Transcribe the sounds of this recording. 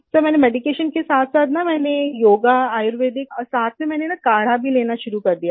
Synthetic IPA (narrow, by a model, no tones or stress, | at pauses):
t̪əmɛnemeɖikeɕənkesat̪ʰsat̪namɛːnejoːɡaːjuɾʋed̪ikəsat̪̚ʰmemɛnenakaɽ̤abʱiːleñaɕuɾukəɾd̪ija